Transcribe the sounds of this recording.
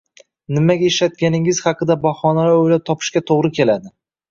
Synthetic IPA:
nɪmaɡʲaeʃlat̪̚kʲanɪŋɪz̥hɑqʰɨd̪abɒχɒnalaojlap̚t̪ʰɒpʰɪ̥ʃkʲat̪ʰoʁɾɪkʲʰe̞lad̪ɪ

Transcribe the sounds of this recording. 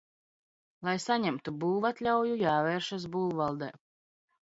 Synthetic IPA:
lˠajsaɲɛmt̪ubuːlˠvat̪lʲawjujaːvɛːɾʃas̬buːlˠvalˠd̪ɛ̰

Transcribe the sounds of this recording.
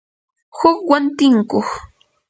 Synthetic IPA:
hʊkwant̪ɪŋkox

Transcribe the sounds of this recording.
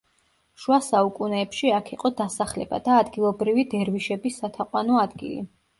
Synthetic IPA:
ʃuasaukʼunɛːpʃiakʰiqʼɔd̪asaχlɛ̰ba̰d̪̥aːd̪ɡilˠɔbɾivid̪ɛɾviʃɛbisːat̪ʰaqʼwanɔad̪ɡḭlḭ

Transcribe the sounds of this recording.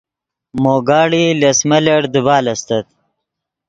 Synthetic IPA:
moːɡaːɽilɐsmɐlɐɽd̪ubaːlɐst̪ɐt̪̚

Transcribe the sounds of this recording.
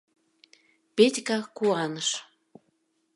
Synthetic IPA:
petʲkɑkuɑnəʃ

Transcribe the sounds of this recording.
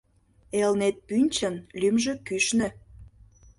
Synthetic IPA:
elnet̪̚pynʲt͡ɕənlymʒøkyʃnø

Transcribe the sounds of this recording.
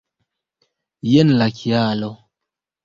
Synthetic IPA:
jenlakʰiaːlo

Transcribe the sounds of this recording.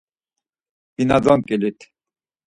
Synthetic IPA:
b̥inad̪ɔnkʼɛlit̪ʰ

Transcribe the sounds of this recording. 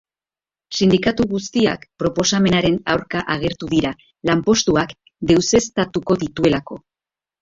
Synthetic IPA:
sind̪ikat̪uɣust̪ia̰kpɾo̞po̞same̞naɾe̞nawɾkaʔaɣ̞e̞ɾt̪uðiɾa | lampo̞st̪uak | d̪e̞wse̞st̪at̪uko̞ðit̪ue̞lako̞

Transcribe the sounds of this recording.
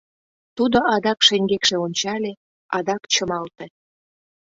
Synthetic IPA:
t̪ud̪oʔɑd̪ɑkʃeŋɡekʃeonʲt͡ɕɑlʲe | ɑd̪ɑkt͡ɕəmɑlt̪e

